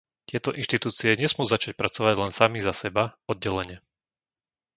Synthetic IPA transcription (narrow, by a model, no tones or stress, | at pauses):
t̪ɪɛt̪ɔʔinʃt̪it̪uːt͡siɛɲɛsmʊuzat͡ʃac̚pɾat͡sɔʋaɟlɛnsamizasɛbaɔd̪̚ɟɛlɛɲɛ